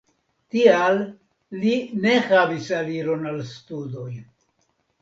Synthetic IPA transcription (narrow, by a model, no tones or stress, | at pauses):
tialː | ine̞havisaliɾo̞nalstudo̞j